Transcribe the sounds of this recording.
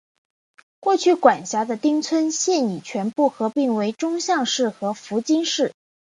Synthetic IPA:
kwɔ˥˧t͡ɕʰy˥˩kwa˨˩nɕja˧˥d̪ə˧t̪i˥ŋt͡sʰwə˥nɕjɛ˥˩ni˨˩t͡ɕʰɥɛ˧˥npu˥˩xɤ˧˥pi˥˩ŋwe˧˥ɪʈ͡ʂʊ˥ŋɕjɑ˥˧ŋʂɻ̩˥˩xɤ˧˥fu˧˥t͡ɕi˥ŋʂɻ̩˥˩

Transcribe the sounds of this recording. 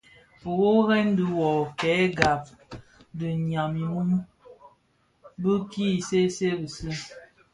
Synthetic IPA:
fo˨ɣo˦ɣɛ˦n˦də˨wɔ˨kɛ˨˦ɡa˨p̚ | də˨ɲa˨mi˨nu˦m | bə˦ki˦˨se˦se˦bə˨si˦

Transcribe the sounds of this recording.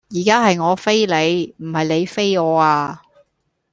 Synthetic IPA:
jiː˨˩kaː˥ɦɐ˨jŋɔː˨˧fe˥jle˨˧jm̩˨˩hɐ˨jle˨˧jfe˥jɔː˨˧aː˧

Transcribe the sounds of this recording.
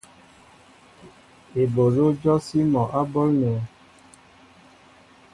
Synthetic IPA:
e˨bo˨lo˦d͡ʒɔ˦si˦mɔ˨ʔa˦bɔ˦lnɛ˨˦

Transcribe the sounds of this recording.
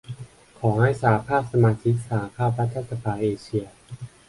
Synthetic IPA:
kʰɔː˩˦ha˥˩jsaː˨˩a˦pʰaː˥˩p̚sa˧maː˧t̪ʰi˦˥k̚sa˧˩a˦˧pʰaː˥˩p̚ɾa˦˥t̪ʰːa˥t̪sa˧pʰaː˧ʔeː˧t͡ɕʰi˧ɐ

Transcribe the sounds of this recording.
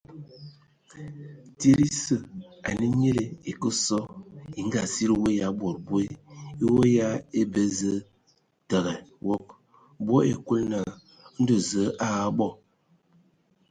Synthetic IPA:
te˦ɾi˦sə˨a̰˨ni˦ɲe˦le˨e˨kə˦sɔ˦i˨ŋ˦ɡa˨si˦ɾi˦wo˦ja˨˦bo˨ɾbu˦e˦i˦wo˦ja˦e˦bə˦zə˦ | tə˨ɣɛ˨wo˦k̚ | bo˦ḛ˨ku˦lna˨˦ | n̩˦do˨zə˨˦ʔa˦˨a˦ɓɔ˦˨

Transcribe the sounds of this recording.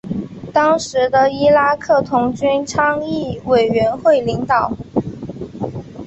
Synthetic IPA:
t̪ɑ˥ŋʂɻ̩˧˥d̪ə˧i˥la˥kʰɤ˥˩t̪ʰʊ˧˥ŋt͡ɕy˥nʈ͡ʂʰɑ˥ŋi˥˩we˨˩ɪɥɛ˧˥nxwe˥˩ɪli˧˥ŋt̪ɑ˨˩˦ʊ

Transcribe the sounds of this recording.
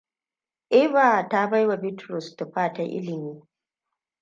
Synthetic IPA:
ʔɪ˦ba˨ta˦ba˦jwa˨bɪ˦tɾɔ˨sta˨ɸaː˦ta˦ʔɪ̰˦lɪ˨miː˦

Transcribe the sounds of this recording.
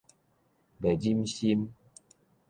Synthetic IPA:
bɛ˨d͡ʑi˦mɕi˦m

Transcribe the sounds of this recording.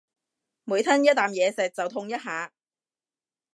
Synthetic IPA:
muː˨˧jt̪ʰɐ˥njɐ˥t̪ːaː˨˩mjɛː˨˧sɛː˨˩k̚t͡sɐ˨wt̪ʰʊ˧ŋjɐ˥t̚ɦaː˨˧

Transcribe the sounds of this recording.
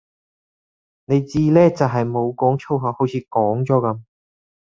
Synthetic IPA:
ne˨˧jt͡siː˥lɛː˥t͡sɐ˨wɦɐ˨jmo˨˧wkɔː˨˥ŋt͡sʰo˥wɦaː˨˧ho˨˥wt͡sʰiː˨˧kɔː˨˥ŋt͡sɔː˨˥kɐ˨˧˥m

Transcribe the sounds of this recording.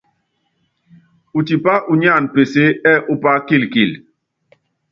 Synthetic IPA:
u˨ti˨pa˦ʔu˨ɲa˦˨npe˨se˦ɛ˦ʔu˦pa˦ki˦˨lki˦˨l

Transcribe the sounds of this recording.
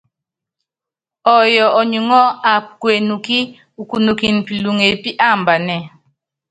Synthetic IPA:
ɔ˨jɔ˨ʔɔ˨ɲu˨ŋɔ˦a˨pkwe˨nu˨ki˦ | u˨ku˨nu˨ki˨n˨pi˨lu˨ŋe˨pi˦ʔa˦˨mba˨nɛ˦˨

